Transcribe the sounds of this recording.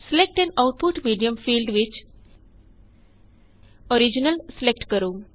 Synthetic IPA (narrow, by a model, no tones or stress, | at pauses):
selek̚ʈɛ̃ɳɖaʊʈ̚pʊʈmiːɖijə̃mfiːlɖʋɪt͡ʃ | oɾid͡ʒɪnəlselek̚ʈkəɾũː